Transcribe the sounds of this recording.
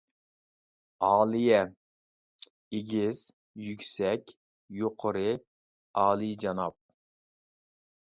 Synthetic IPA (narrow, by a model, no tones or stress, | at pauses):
ɑːlˠɨjɛ | eɡʲiz̥ | jykʲsɛkʲ | joqʰəɾɨ | ɑːlˠɨd͡ʒɑnɑp̚